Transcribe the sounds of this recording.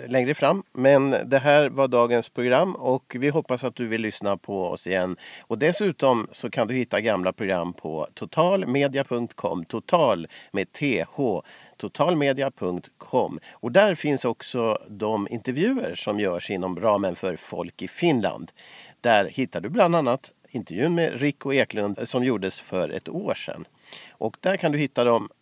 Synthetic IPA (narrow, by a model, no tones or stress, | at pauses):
lɛŋɾəfɾamːmɛnd̪ɛɦæːɾvaɖɑːɡənspʰɾʊɡɾamːɔkvɪɦɔpːasat̪̚d̪ɵvɪlːʏsnapʰɔɔ̰sɪjɛnːɔd̪ɛsʉ̟ːt̪ɔmsɔkʰand̪ɵhɪt̪ːaɡamlapʰɾʊɡɾa̰mːpʰɔ̰t̪ʰʊt̪ʰɑːlmeːd̪ɪapʰɵŋk̚t̪kʰɔ̰mːt̪ʰʊt̪ʰɑːlmeːd̪̚t̪ʰeːhoːt̪ʰʊt̪ʰɑːlmeːd̪ɪapʰɵŋkt̪kʰɔmːɔd̪æɾfɪnsɔksɔd̪ɔmɪ̰nt̪ɛɾvjʉ̟ːə̰ɾʂɔmjœːʂɪnːɔmɾɑːmənfœɾfɔ̰lkɪfɪnla̰nd̪d̪̥æɾhɪt̪ːaɖɵbland̪anːat̪ | ɪnt̪ɛɾvjʉ̟ːnmɛ̰ɾɪkːɔeːklɵnd̪sɔmjuːɖəsfœɾɛ̰t̪oːʂɛ̰nː | ʔɔkd̪æɾkʰand̪ɵhɪt̪ːad̪ɔm